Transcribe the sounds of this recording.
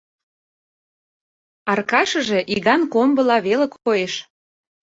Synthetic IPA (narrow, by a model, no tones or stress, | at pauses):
ɑrkɑʃə̆ʒe̽ʔiɣɑnkombə̆lɑβelə̆kʰojeʃ